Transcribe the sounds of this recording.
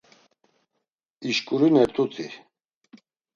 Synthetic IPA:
iʃkʼuɾinɛɾt̪ʼut͡s̪ʰʼi

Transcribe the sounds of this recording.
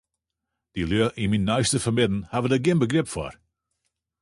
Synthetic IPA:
d̥iløəʔiminːaɥstəfəmɪdn̩havədəɡɪnbəɡrɪpfɔ̰ɹ

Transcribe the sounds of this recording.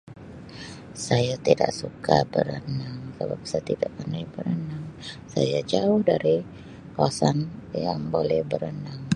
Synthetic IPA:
sajat̪ida̰ʔsukabəɾənaŋsəbap̚sajat̪idaʔpənajbəɾənaŋsa̰jad͡ʒaʊhdaɾi | kawasanjaŋbolɛhbəɾənaŋ

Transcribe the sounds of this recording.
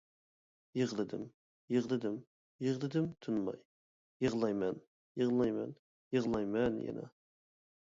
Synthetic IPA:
jəʁlˠɨd̪ɪm | jəʁlˠɨd̪ɪm | jəʁlˠɨd̪ɪmt̪ʰunmɑ̰j | jəʁlˠɑjmɛn | jəʁlˠɑjmɛ̰n | jəʁlˠɑjmɛnjɛ̰nɛ̰

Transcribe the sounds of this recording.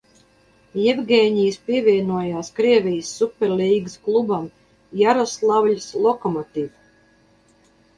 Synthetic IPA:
jɛvɡʲɛːɲijspʲiɛvʲiɛnuɔjaːskɾiɛvʲijəsːupʲɛɾlʲiːɡɨsklˠubam | jaɾɔslˠawʎʲslˠɔkɔmɔt̪iv

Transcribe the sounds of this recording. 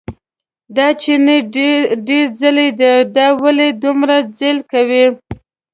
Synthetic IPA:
d̪ɑt͡ʃeneɖeɾzəled̪ed̪ɑwaled̪umɾad͡zelkawi

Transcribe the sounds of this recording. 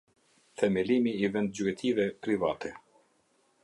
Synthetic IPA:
θɛmilimiːvɛnd̪̚d͡ʑuɛt̪ʰivɛpɾivat̪ʰɛ

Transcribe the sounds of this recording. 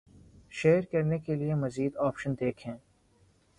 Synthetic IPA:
ʃeːɾkɐɾnekeliemɐziːd̪ɔːpʃənd̪eːkʰɦɛ̃ː

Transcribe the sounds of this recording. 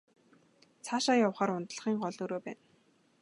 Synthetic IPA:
t͡sʰaːʃaːjawχaːɾʊnt̪̆ɮə̆χiːŋɢɔɮoːɾoːpæ̰ːn

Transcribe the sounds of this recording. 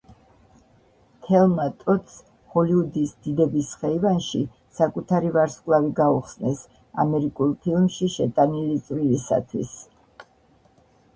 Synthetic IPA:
t̪ʰɛlˠmat̪ʼɔt̪s | hɔliud̪isd̪id̪ɛbisχɛivanʃi | sakʼut̪ʰaɾivaɾskʼlˠaviɡauχsnɛs | a̰mɛɾikʼulˠpʰilˠmʃiʃɛt̪ʼanilit̪sʼwilisa̰t̪ʰwḭs

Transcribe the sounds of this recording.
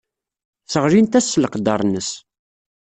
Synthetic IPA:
θəʁɾint̪æsːləqd̪ɑɾˤnəs

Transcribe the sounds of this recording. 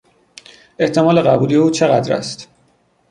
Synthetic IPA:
ʔe̞ht̪ʰe̞mɒːle̞ɣæbuːlijeuːt͡ʃʰe̞ɣæd̪ɾæ̰st̪

